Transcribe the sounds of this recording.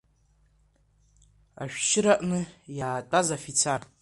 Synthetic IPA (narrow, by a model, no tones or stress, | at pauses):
a̰ʃᶣʃɪɾaʔʼnɨjaːtʼazafit͡sʰar